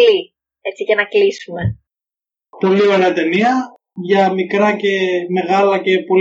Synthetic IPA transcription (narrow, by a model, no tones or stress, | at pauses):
li | e̞t͡sicenɐklisume̞ | t̪olioeneɐt̪e̞niɐ | ʝɐmikɾɐce̞me̞ɣɐlɐce̞po̞l